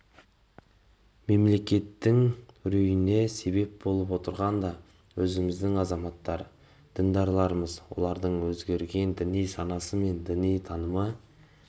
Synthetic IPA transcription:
me̞mle̞kʲe̞t̪ːɪŋɾejɪne̞se̞be̞p̚bo̞lˠəp̬wo̞t̪əɾʁɑnd̪ɑ | wɵzɪmɪzd̪ɪŋɑzɑmɑt̪ːɑɾ | d̪̥ɪŋd̪ɑɾlˠɑɾəməzwo̞̰lˠɑɾd̪əɴwɵzɡʲe̞ɾɡʲe̞nd̪ɪnijsɑnɑsəme̞nd̪ɪnijt̪ʰɑnəmə

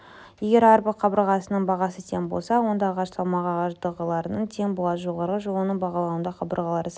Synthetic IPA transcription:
je̞ɡʲe̞ɾɑɾbəqʰɑbəɾʁɑsənəɴbɑʁɑsət̪ʰeŋbo̞̰lˠsɑwo̞nd̪ɑːʁɑʃsʰɑlˠmɑʁɑʁɑʒd̪əʁəlˠɑɾənəɴt̪ʰe̞ŋbʊlˠɑt̪ʒo̞ʁɑɾʁəʒolˠənəɴbɑʁɑlˠɑwənd̪ɑqʰɑbəɾʁɑlˠɑɾəs

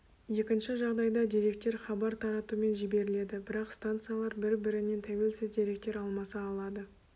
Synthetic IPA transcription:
je̞kʲɪnʃɪʒɑʁd̪ɑjd̪ɑd̪iɾe̞k̚t̪e̞ɾχɑbɑɾt̪ʰɑɾɑt̪ume̞nʒibe̞ɾɪle̞d̪ɪbɪɾɑqst̪ant̪sɨjalˠɑɾbɪɾbɪɾɪne̞nt̪ʰæwe̞lsɪzd̪eɾe̞k̚t̪e̞ɾɑlˠmɑsɑːlˠɑd̪ə

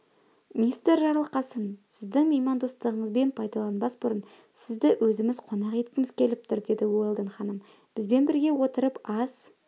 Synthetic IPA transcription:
mʲinist̪ɾʒɑɾəlˠəqɑsənsɪzd̪ɪŋmʲejmɑnd̪o̞st̪əʁəɴəzbe̞npʰɑjd̪ɑlˠɑnbɑsbʊɾən | sɪzd̪ɪwʔɵzɪmɪzqʰo̞nɑqe̞t̪̚kʲɪmɪzkʲʰe̞lɪp̚t̪ʰʊɾd̪e̞d̪ɪwo̞jlˠd̪əɴχɑnəm | b̥ɪzbe̞nbɪɾɡʲe̞wo̞t̪əɾəpɑz̥

